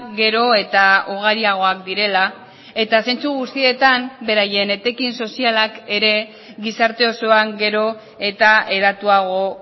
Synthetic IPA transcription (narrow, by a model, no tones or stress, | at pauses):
ɡe̞ɾo̞e̞t̪auɣ̞aɾiaɣ̞o̞akd̪iɾe̞la | e̞t̪ase̞nt͡suɣ̞ust̪ie̞t̪ambe̞ɾaje̞ne̞t̪e̞kinso̞sialake̞ɾe̞ | ɡisaɾt̪e̞o̞so̞aŋɡe̞ɾo̞ | e̞t̪ae̞ɾat̪uaɣ̞o̞